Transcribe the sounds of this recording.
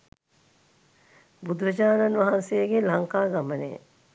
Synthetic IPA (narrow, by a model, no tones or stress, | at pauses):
bud̪uʋəd͡ʒaːnanʋaɦansejəɡelaŋkaːɡamənḛ